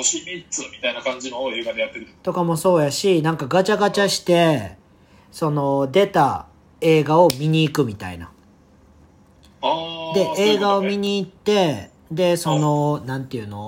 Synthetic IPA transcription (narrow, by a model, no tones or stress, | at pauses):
oɕimʲit͡sɨmʲit̪ainakãɲ̟d͡ʑinoe̞ːɡad̪ejat̪ːe̞ɾɯt̪o̞kamo̞so̞ːjaɕinãŋkaɡat͡ɕaɡat͡ɕaɕi̥t̪e̞ | so̞no̞d̪e̞t̪a | e̞ːɡao̞mʲiɲ̟iːkɯ̟mʲit̪a̰ḭna̰ | aːd̪e̞ʔe̞ːɡao̞mʲiɲ̟iːt̪ːe̞ | d̪e̞so̞no̞nãnt̪ejɯ̟no̞̰